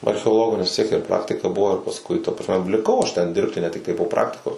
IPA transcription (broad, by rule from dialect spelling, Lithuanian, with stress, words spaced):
ɐrʲxʲɛoːˈlˠoːɡoː nʲɛs ʋʲɪs tʲiɛk ɪr ˈprɑːktʲɪkɐ ˈbʊʋoː ɪr pɐsˈkʊɪ tɐ prɐsʲˈmʲɛ lʲɪˈkɐʊ ˈɐʃ ˈtʲɛn ˈdʲɪrʲpʲtʲɪ nʲɛ ˈtʲɪktɐɪ poː ˈprɑːktʲɪkoːs